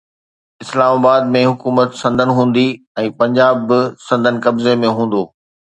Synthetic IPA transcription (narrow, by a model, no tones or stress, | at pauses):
ɪslaːmaːbaːd̪mẽɦʊkuːmət̪sɐ̃nd̪ʱənɪ̆ɦũːn̆d̪i | ɛ̃ːpɐ̃ɲd͡ʑaːbɪsɐ̃nd̪ʱənɪ̆kɐbzemẽɦũːn̆d̪oː